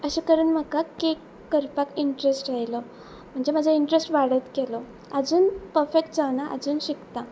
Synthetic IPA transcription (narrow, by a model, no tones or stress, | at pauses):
əɕekəɾənm̤əkakekːəɾpakiɳʈɾesʈɾaɦjlɔ | m̤əɳd͡zem̤ad͡zʱaiɳʈɾesʈʋaɽət̪kɛlɔ | əd͡zuːnpəɾfekʈd͡zaʋnaʔə̰d͡zuːnɕikt̪a